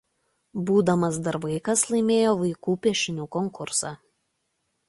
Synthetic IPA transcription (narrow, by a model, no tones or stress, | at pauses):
buːd̪ɐmɐs̬d̪ɐɾʋɐɪkɐslˠɐɪmʲeːjoːʋɐɪkuːpʲiɛʃʲɪnʲuːkɔŋkʊɾsɑː